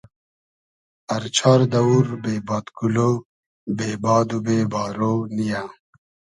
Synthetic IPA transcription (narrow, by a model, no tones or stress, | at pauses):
ɐɾt͡ɕʰaːɾd̪ɐwuɾbeːbaːt̪kuloː | beːbaːd̪ubeːbaːɾoːnija